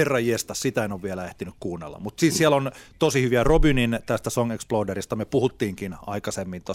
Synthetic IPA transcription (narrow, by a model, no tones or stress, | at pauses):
erːɑjiest̪ɑssit̪æenoʋʋielæeht̪inykkuːnːḛlːɑ̰mut̪sissielont̪osihyʋiærobynint̪æst̪æsoŋeksploːderist̪ɑmepuhut̪ːiːŋkinɑ̰ikɑsemːint̪os